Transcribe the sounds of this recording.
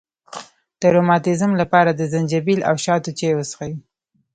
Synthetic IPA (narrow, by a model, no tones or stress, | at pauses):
d̪̥əɾomɑt̪ɪzmlapɑɾad̪əzand͡ʒabilʔa̰wʃɑt̪ot͡ʃewəsxawi